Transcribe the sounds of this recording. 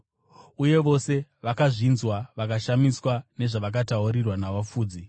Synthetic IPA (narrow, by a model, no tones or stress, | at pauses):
uje̞ʋo̞se̞ʋakaʐinzwaʋakaʃamiswane̞ʐaʋak̬ataurirwanaʋop͡fuːd͡zi